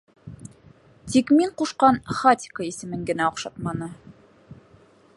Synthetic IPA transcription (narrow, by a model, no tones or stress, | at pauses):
t̪ikmiɴquʃqɑnχat̪ʲɪ̥kəisɘ̆mɘŋɡɘ̆næoqʃɑt̪mɑnɤ